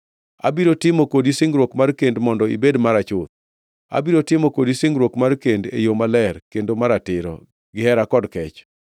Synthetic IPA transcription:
a̰biɾotɪmokodisɪŋɡɾwokmarkendmɔndɔḭbedmaɾat͡ʃʊt̪̚ | a̰biɾotɪmɔkodisɪŋɾwokmarkendḛjomalɛrkendomaɾatɪɾɔ̰ | ɡɪhɛɾakɔdkɛt͡ʃ

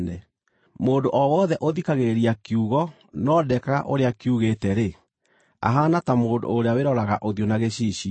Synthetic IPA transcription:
nɛ | moːndoʔɔwɔðɛʔoðikaɣeɾiakiuɣɔ | nɔdɛkaa̰ʔoɾeakiuɣetɛɾe | a̰ɦaːnatamoːndo̰ːɾeaweɾɔɾaɣaʔoðjonaɣeɕiɕi

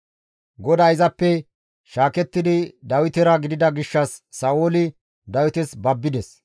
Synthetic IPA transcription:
ɡɔd̪aːɪzɐpːɛ | ʃaːkɛt̪ːɪd̪ɪd̪ɐwɪt̪ɛɾɐɡɪd̪ɪd̪ɐɡɪʃːɐsːɐːwoːlɪ | d̪ɐwɪt̪ɛsbɐbːɪd̪ɛs

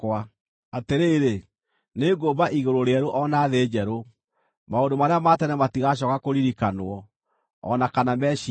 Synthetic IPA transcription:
wa | ateɾeɾe | neɡobaʔiɣoɾoɾeɛɾoʔɔnaðeːd͡ʑɛɾo | maondomaɾeamatɛnɛmatiɣaɕ̬ɔkakoɾiɾikanwɔ | ɔ̰nakanamɛʃi

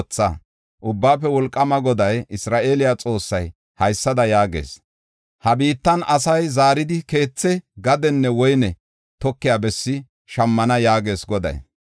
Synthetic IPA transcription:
t͡sːɐ̰ | ʔʊbːaːpːɛwɔlkʼːɐmɐɡɔd̪ɐjɪsɾaːʔe̞ːlɪjat͡sʼo̞ːsːɐj | hɐjsːɐd̪ɐjaːɡḛːs | hɐbiːt̪ːɐnɐsɐjzaːɾɪd̪ɪke̞ːt͡sːɛɡɐd̪ɛnːɛwɔjnɛ | t̪ɔkːɪjaːbɛsːɪ | ʃɐmːɐnɐjaːɡe̞ːsɡɔd̪ɐ̰j

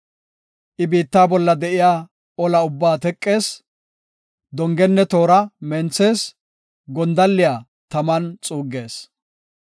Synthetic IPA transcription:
ʔɪbiːt̪ːaːbɔlːɐd̪ɛʔɪjaː | ɔlɐʊbːaːt̪ɛkʼːe̞ːs | d̪ɔŋɡɛnːɛt̪o̞ːɾɐmɛnt͡sːe̞ːs | ɡɔnd̪ɐlːɪjaː | t̪ɐmɐnt͡sʼuːɡːe̞ːs

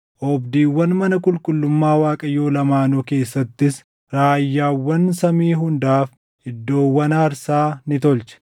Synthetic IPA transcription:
ʔɔbd̪iːwːɐnmɐnɐkʼʊlkʼʊlːʊmːaːwaːkʼɐjo̞ːlɐmaːnɔːke̞ːsːɐt̪ːɪs | ɾaːjːaːwːɐnsɐmiːɦʊnd̪aːf | hɪd̪ːo̞ːwːɐnaːɾsaːnɪt̪ɔlt͡ʃɛ̥

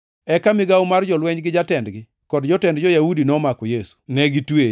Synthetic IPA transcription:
ɛkamɪɡawmard͡ʒɔlwɛɲɡɪd͡ʒatɛndɡɪ | kɔdd͡ʒɔtɛndd͡ʒɔjaudinɔmakɔjesu̥nɛɡitwe

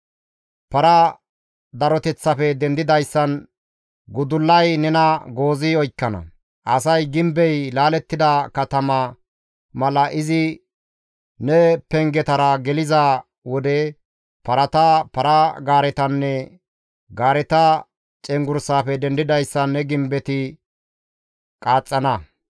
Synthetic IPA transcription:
pɐɾɐ | d̪ɐɾɔt̪ɛt͡sːɐfɛd̪ɛnd̪ɪd̪ɐjsːɐn | ɡʊd̪ʊlːɐjnɛnɐɡo̞ːzɪɔjkːɐnɐ̰ | ʔɐsɐjɡɪmbɛjlaːlɛt̪ːɪd̪ɐkɐt̪ɐmɐ | mɐlɐʔɪzɪ | nɛpɛŋɡɛt̪ɐɾɐɡɛlɪzɐ | wɔd̪ɛ | pɐɾɐt̪ɐpɐɾɐɡaːɾɛt̪ɐnːɛ | ɡaːɾɛt̪ɐ | t͡ʃʼɛŋɡʊɾsaːfɛd̪ɛnd̪ɪd̪ɐjsːɐnːɛɡɪmbɛt̪ɪ | kʼaːt͡sʼːɐnɐ

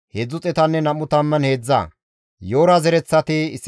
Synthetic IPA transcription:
heːd͡zːʊt͡sʼɛt̪ɐnːɛnɐmːʊt̪ɐmːɐnhe̞ːd͡zːa̰ː | jo̞ːɾɐzɛɾɛt͡sːɐt̪ɪɪsː

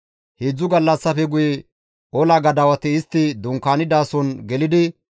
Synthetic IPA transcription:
heːd͡zːʊɡɐlːɐsːɐfɛɡʊjɛ | ʔɔlɐɡɐd̪ɐwɐt̪ɪːst̪ːɪd̪ʊŋkːaːnɪd̪aːsɔnɡɛlɪd̪ɪ

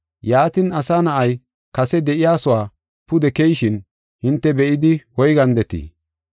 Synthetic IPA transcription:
jaːt̪ɪnɐsaːnɐʔɐj | kɐsɛd̪ɛʔɪjaːsɔwaː | pʊd̪ɛkɛjʃɪn | hɪnt̪ːɛbɛʔɪd̪ɪwɔjɡɐnd̪ɛt̪ḭ

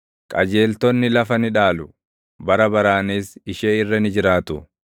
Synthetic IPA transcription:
kʼɐd͡ʒe̞ːlt̪ɔnːɪlɐfɐnɪᶑaːlʊ | bɐɾɐbɐɾaːniːsɪʃeːɪrːɐnɪd͡ʒɪɾaːt̪ʊ

